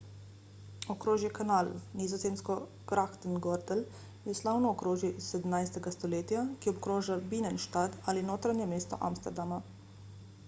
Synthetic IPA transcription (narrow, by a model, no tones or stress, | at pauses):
ɔkɾoːʒjɛkanaːlnizɔzeːmskɔ | kɾaxt̪ɛnɡɔɾd̪ɛl | jɛslaːwnɔːkɾoːʒjɛsɛd̪əmnajst̪ɛɡast̪ɔleːt̪jakiɔbkɾoːʒabiːnɛnʃt̪ad̪alinoːt̪ɾanjɛmeːst̪ɔ̰ʔa̰mst̪ɛɾd̪ama